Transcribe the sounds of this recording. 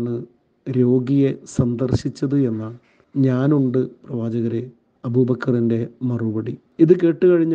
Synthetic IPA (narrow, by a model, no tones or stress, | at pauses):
ɳɨ | ɾo̞ːɡijesɐnd̪ɐrɕit͡ɕːɐðɨe̞nːaɭ | ɲaːnuɳɖɨprɐʋaːd͡ʑɐɣɐɾe | ɐbʱubɐkʰːɐrinde̞mɐrubɐɽi | iðɨk̬e̞ːʈːɨkɐɻiɲː